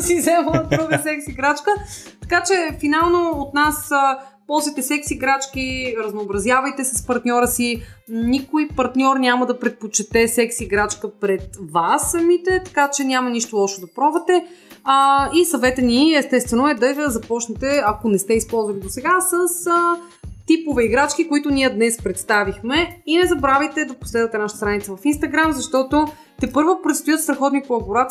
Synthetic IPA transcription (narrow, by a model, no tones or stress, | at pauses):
sizɛməd̪ɾuɡəsɛksiɡɾat͡ʃkə | t̪ɐ̥kat͡ʃɛfinalˠnoot̪nasə | pɔlˠzvit̪ɛsɛksiɡɾat͡ʃkiɾɐznoːbɾɐzjavəjt̪ɛsəspɐɾt̪nʲɔɾəsinikojpɐɾt̪nʲɔɾnʲaməd̪ɐpɾɛt̪̚pot͡ʃɛt̪ɛsɛksiɡɾat͡ʃkəpɾɛt̪vasːɐmit̪ɛt̪ɐ̥kat͡ʃɛnʲamɐniʃt̪olˠɔʃod̪ɐpɾɔvɐt̪ɛ | isɐvɛt̪əniɛst̪ɛst̪vɛnoɛd̪ɐəzɐpɔt͡ʃnɛt̪ɛɐkonɛst̪ɛispɔlˠzvɐnid̪osɛɡasəsə | t̪ipovɛiɡɾat͡ʃkikoit̪ʊnʲiəd̪nɛspɾɛt̪st̪avixmɛinɛzɐbɾavit̪ɛd̪ɐpo̥slɛd̪ət̪ɛnaʃət̪əst̪ɾanit̪səvɐfinst̪ɐɡɾamzɐʃt̪ɔt̪o | t̪ɛpɤɾvopɾɛt̪st̪ojət̪st̪ɾɐxɔt̪nipoɐboɾat̪